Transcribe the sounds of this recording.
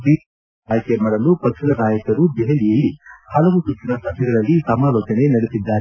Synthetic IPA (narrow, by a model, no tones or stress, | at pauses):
pi | aːjɐkemaːɽɐlupɐkʂilɐnaːjɐkɐɾubɛɦɐlijɐlːihɐlɐʋusut͡ʃːinɐsɐt̪ʰɐɡɐɾɐlːisɐmaːloːt͡ʃɐne̞nɐɽesid̪ːaːɾe